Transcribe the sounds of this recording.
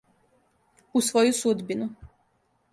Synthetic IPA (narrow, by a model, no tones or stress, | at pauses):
usʋo̞jusud̪binu